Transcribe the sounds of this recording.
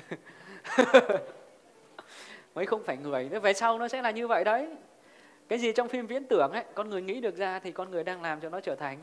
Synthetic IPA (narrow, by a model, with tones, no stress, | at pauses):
məː˨˦jxə˧wŋ͡mfaː˧˩jŋɨ˧˩əjt̪vɛ˨˩sa˧wnɔ˨˦sɛ̰˧˥laː˨˩ɲɨ˧və̰˧˨jɗə˨˦j | kaː˨˦jzi˨˩t͡ɕɔ˧wŋ͡mfi˧mvḭ˧˥ənt̪ɨ˧˩əŋʔə˧˦jkɔ˧nŋɨ˨˩əjŋḭ˧˥ɗɨ˨˩ək̚zaː˧t̪ʰi˨˩kɔ˧nŋɨ˨˩əjɗaː˧ŋlaː˨˩mt͡ɕɔ˧nɔ˨˦t͡ɕəː˧˩t̪ʰa˨˩jŋ̟